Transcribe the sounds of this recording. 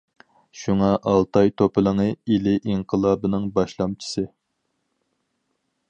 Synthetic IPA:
ʃuŋɑʔɑlˠt̪ʰɑjt̪ʰopʰɨlˠəŋɨilɪʔiŋqʰəlˠɑːbɨnɨŋbɑʃlˠɑmt͡ʃʰi̥sɨ

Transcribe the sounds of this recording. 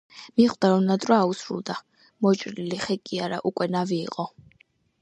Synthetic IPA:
miχd̪aɾɔnad̪ʼɾwaːusɾṵlˠd̪a | mɔt͡ʃʼɾiliχɛkʼiaɾaʔukʼwɛnavḭːqʼɔ

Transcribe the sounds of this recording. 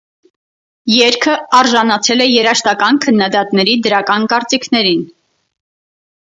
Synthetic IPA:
jɛɾkʰəɑɾʒɑnɑt͡sʰɛlɛjɛɾɑʃt̪ɑkɑnkʰənːɑd̪ɑt̪nɛɾid̪əɾɑkɑnkɑɾt͡sikʰnɛɾin

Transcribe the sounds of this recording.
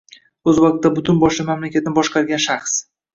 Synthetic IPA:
ɵzwɒq̚t̪ːabʊt̪ʰʊnbɒʃlamamlakʲʰat̪ʰɪnɪbɒʃqʰɑɾɡʲanʃaχs

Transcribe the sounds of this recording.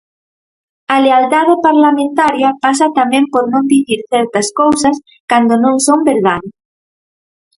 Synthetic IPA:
ɐlealt̪aðɪpaɾlamẽnt̪aɾjɐpas̬ɐt̪amɛ̃mpoɾnõnd̪iθiɾθɛɾt̪ɐskowsɐs | kand̪onõŋsombeɾðað

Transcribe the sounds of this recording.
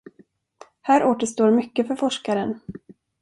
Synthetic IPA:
hæːɾʔoːt̪əʂt̪oːɾmʏkːəfœɾfɔʂkaɾən

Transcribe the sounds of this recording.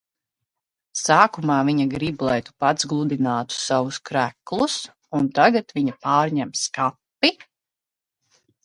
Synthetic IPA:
saːkumaːviɲaɡɾiblˠɛjt̪u̥pad̪zɡlˠud̪inaːt̪u̥savuskɾæklˠus | unt̪aɡat̪viɲapaːɾɲɛmskapːi

